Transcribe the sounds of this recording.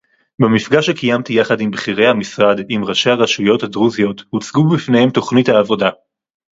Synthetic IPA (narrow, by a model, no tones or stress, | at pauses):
bemifɡaʃekijamt̪ijaχadimbχiʁe̞jhamisʁadimʁaʃeaʁaʃujo̞thadʁuzijo̞thut͡sɡubifne̞he̞mto̞χnithaːvo̞da